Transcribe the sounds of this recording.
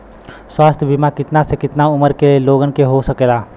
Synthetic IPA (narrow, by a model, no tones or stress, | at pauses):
swaːst̪ʰbʱimakɪt̪nasekɪt̪naʊməɾkelieloːɡənkeɦosɐkeːlaː